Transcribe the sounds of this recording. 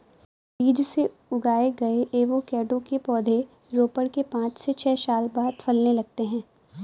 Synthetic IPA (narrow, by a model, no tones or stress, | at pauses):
biːd͡ʒse | ʊɡaːeɡɐeʔeːʋokɛːɖõkepɔːd̪ʱe | ɾoːpəɽkepãːt͡ʃset͡ʃʰɛːʃaːlbaːd̪fɐlnelɐɡ̚t̪eɦɛ̃ː